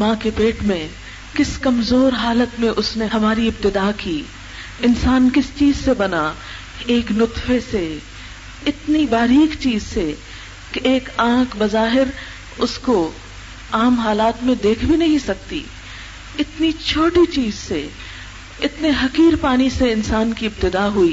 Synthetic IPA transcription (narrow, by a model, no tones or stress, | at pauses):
mãːkepeːʈmẽ | kɪskɐmzoːɾɦaːlət̪mẽʔʊsnehɐmaːɾiɪbt̪ɪd̪aːkiː | ɪnsaːnkɪst͡ʃiːzsebɐna | eːknʊt̪fese | ɪt̪nibaːɾiːkt͡ʃiːzse | keʔeːkãːkʰbɐzaːɦɪɾ | ʊsko | aːmɦaːlaːt̪mẽd̪eːkʰbʱinɐɦĩsɐk̚t̪ḭ | ɪt̪nit͡ʃʰoːʈit͡ʃiːzse | ɪt̪neɦɐkiːɾpaːniseɪnsaːnkiɪb̚t̪ɪd̪aːɦuiː